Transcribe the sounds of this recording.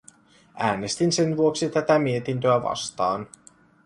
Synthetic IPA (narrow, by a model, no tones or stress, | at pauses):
ʔæːnest̪insenʋuoksit̪æt̪æmie̞t̪int̪øæʋɑ̰st̪ɑːn